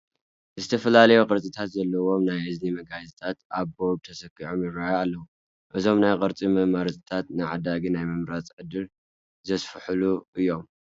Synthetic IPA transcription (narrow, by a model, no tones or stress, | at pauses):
zɨt̪ʰɐfɐlalɐjukʼɨɾt͡sʼit̪ʰat̪zɐlːɐwo̞mnajɨznimɐɡazit̪ʰat̪aβboɾ̚t̪ʰɐsɐkːiʕomjɪɾajalːɐwu | ʔɨzʰomnajkʼɨɾt͡sʼimɐmaɾt̪t̪ʰat̪nɨʕad̪aɡinajmɨmɾat͡sʼʕɨd̪ɨl | zɐsfɨħɨluʔɨjːo̞m